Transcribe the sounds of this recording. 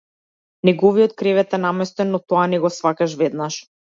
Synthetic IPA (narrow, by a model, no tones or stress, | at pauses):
nɛɡɔvijɔt̪̚kɾɛvɛt̪ɛnamɛst̪ɛnːɔt̪ɔanɛɡɔsvakaʃvɛd̪naʃ